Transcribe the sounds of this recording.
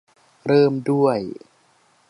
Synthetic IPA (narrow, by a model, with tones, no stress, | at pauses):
ɾɤː˥˩mdu˥˩əj